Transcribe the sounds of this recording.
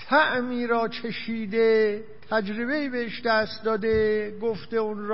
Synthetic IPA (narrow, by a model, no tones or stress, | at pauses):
t̪ʰæʔmiːɾɒːt͡ʃʰeʃiːd̪e | t̪ʰæd͡ʒɾeβe̞iːbeeʃd̪æːst̪d̪ɒːd̪eɡoft̪eunɾ